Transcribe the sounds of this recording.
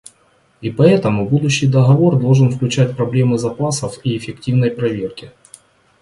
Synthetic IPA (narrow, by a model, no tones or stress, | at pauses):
ipɐɛt̪əmʊbud̪ʊɕːɪjd̪ɐɣɐvo̞rd̪o̞lˠʐɨnfklʲʉt͡ɕæt̚ʲpɾɐblʲe̞mɨzɐpasəfiɪfʲɪk̚tʲivnəjpɾɐvʲe̞rkʲɪ